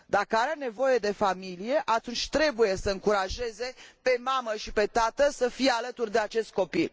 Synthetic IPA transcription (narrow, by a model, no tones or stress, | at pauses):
d̪akəaɾene̞vo̞je̞d̪e̞familije̞ʔat̪unt͡ʃʲt̪ɾe̞buje̞səɨŋkuɾaʒe̞ze̞pe̞maməʃipe̞t̪at̪əsəfijealət̪urʲd̪e̞at͡ʃe̞st̪̚ko̞pil